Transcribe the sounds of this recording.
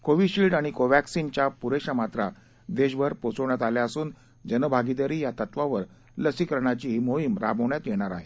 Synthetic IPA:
koʋiɕilʈaɽ̃ikoʋæksint͡ɕjapuɾeɕamat̪ɾa | d̪eɕbəɾpot͡səʋɳjat̪aljaəsuːn | d͡ʑənəbʱaɡid̪əɾiːjat̪ət̪ʋaʋəɾ | ləsikəɾɳ̃at͡ɕiɦimoɦimɾa̰bʱəʋɳjat̪jeɽ̃aɾaɦe

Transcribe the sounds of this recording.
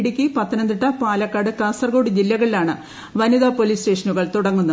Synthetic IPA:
ɽikʲːipɐt̪ːinɐnd̪iʈːɐpaːlɐkːaːɽɨkaːsɐrɡo̞ːɽid͡ʑilːɐɣɐɭilaːɳɨ | ʋɐniðaːpo̞liːste̞ːʂɐnuɣɐɭt̪uɽɐŋːunːɐ

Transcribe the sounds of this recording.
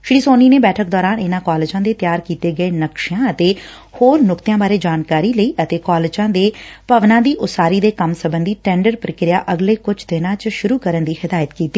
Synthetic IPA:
ʃɽiːsoːniːneːbɛːʈʰək̚d̪ɔːɾaːnɪnãːkɔːlɪd͡ʒãːd̪eːt̪jaːɾkiːt̪eːɡəeːnəkʃjãːət̪eː | hoːɾnʊkt̪jãːbaːɾeːd͡ʒaːnkaːɾiːləiːʔət̪eːkɔːlɪd͡ʒãːd̪eːpəʋnãːd̪iːʔʊsaːɾiːd̪eːkəmsəbənd̪iːʈɛ̃ːɳɖəɾpɾəkɾɪja̰ːʔəɡleːkʊt͡ʃʰd̪ɪnãːt͡ʃʃʊɾuːkəɾənd̪iːhɪd̪aːjət̪kiːt̪ːiː

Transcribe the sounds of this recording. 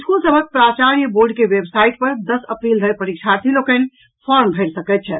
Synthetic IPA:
skulsəbʱək̚pɾat͡ʃaɾjəboɾɖkewebsaiʈ̚pəɾd̪əsəpɾild̪ʱəjpəɾik̚t͡ʃʰat̪ʰilokən | pʰɔɾmbʱəɾsəkɛt̪̚t͡ʃʰɛ

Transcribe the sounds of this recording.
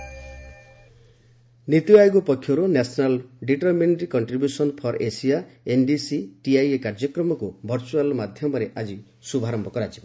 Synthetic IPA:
nit̪uajɡupɔkʰːjɔɾunasɔnalɖiʈɔɾmenʈɾikɔɳʈɾibjusɔnpʰɔɾesijaenɖisiʈiajekaɾd͡ʒɔkɾɔmɔkubʱɔɾt͡ʃualmad̪ʱjɔmɔɾeʔad͡ʒi | subʱaɾɔmbʱɔkɔɾad͡ʒiba

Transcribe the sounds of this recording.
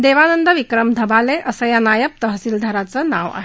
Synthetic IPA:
d̪eʋanənd̪əʋikɾəmd̪ʱəbaleʔəsəjanajəp̚t̪əɦəsiːld̪ʱəɾat͡səna̰ʋa̰ɦe

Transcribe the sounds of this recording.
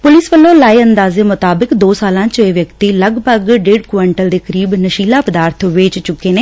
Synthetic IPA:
pʊlɪsʋəlːõːlaːiənd̪aːzeːmʊt̪aːbɪkd̪oːsaːlãːt͡ʃeːʋjəkt̪iːləɡpəɡɖeːɖkʋaːɳʈəld̪eːkəɾiːbnəʃiːlaːpəd̪aːɾt̪ʰʋeːt͡ʃt͡ʃʊkːeːneː

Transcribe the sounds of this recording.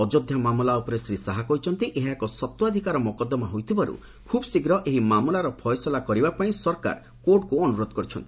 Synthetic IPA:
ɔd͡ʒod̪ʱjamamulaupɔɾesɾisaɦakɔjt͡ʃʰɔnt̪iʔeɦaekɔsɔt̪ːɔad̪ʱikaɾɔmɔkɔd̪ːɔmaɦojt̪ʰibaɾṵ | kʰubsiɡɾɔʔeɦimamulaɾɔpʰɔjsɔlakɔɾibapaĩsɔɾka̰ɾ | koʈkuɔnuɾod̪ɔkɔɾit͡ʃʰɔ̰nt̪i̥

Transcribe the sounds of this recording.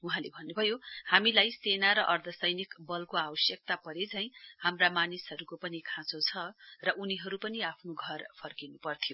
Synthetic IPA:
uɦãlebʱʌnːubʱʌjohamilajsenaɾʌʔʌrd̪ʱʌsʌjnikbʌlkoabʌsjʌk̚t̪apʌɾet͡sʰʌj̃hamramanisɦʌɾukopʌnikʰãt͡sot͡sʰʌrʌʔuniɦʌɾupʌniapʰnoɡʱʌrpʰʌrkinupʌrt̪ʰijo

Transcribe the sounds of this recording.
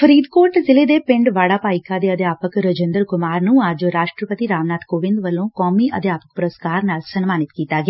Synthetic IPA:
fʰəɾiːd̪koːʈzɪleːd̪eːpɪ̃ɳɖʋaːɽaːpaːɪkaːd̪eːəd̪jaːpəkɾəd͡ʒə̃nd̪əɾkʊmaːɾnũːəd͡ʒɾaːʃʈɾəpət̪iːɾaːʋnaːd̪koːʋɪ̃nd̪ʋəlːõːkɔːmiːə̰d̪jaːpək̚pʊɾəskaːɾnaːlsənmaːnɪt̪kiːt̪aːɡɪa

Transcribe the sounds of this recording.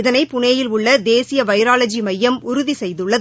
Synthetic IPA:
ðɐnɐɪpːʊneːjɪlʊɭːɐd̪eːsɪjɐʋɐɪɾaːlɐd͡ʒimɐjːɐmʊɾʊðisɛjðɯɭːɐð

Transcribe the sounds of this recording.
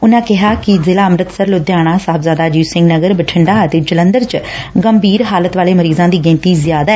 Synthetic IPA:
ʊnãːkɪɦaːkɪzɪlaːəmɾət̪səɾloːd̪jaːɽ̃ãːsaːbzaːd̪aːd͡ʒiːsɪ̃ŋɡnəɡəɾbəʈʰɪɳɖaːət̪eːd͡ʒələ̃nd̪əɾt͡ʃɡəmbʱiːɾɦaːlət̪ʋaːleːməɾiːzãːd̪iːɡẽːnt̪iːzjaːd̪aː

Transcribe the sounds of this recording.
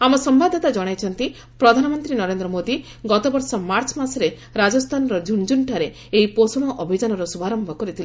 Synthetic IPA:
amɔsɔmbad̪ʱɔt̪ad͡ʒɔɽ̃ajt͡ʃʰɔnt̪i | pɾɔd̪ʱanɔmɔnt̪ɾinɔɾend̪ɾɔmod̪i | ɡɔt̪ɔbɔɾsɔmaɾt͡ʃɔmasɔɾe | ɾad͡ʒɔst̪ʰanɔɾɔd͡ʒund͡ʒunʈʰaɾe | ejposuɽ̃ɔʔɔbʱid͡ʒanɔɾɔsubʱaɾɔmbʱɔkɔɾit̪ʰili

